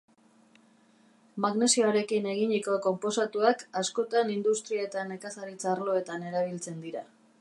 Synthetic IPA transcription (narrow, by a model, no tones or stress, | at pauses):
maɣne̞sioɾe̞kine̞ɣiɲiko̞ko̞mpo̞sat̪uakasko̞t̪anind̪ust̪ɾiat̪ane̞kasaɾit͡saːrlo̞e̞t̪ane̞ɾaβ̞ilt͡se̞nd̪iɾa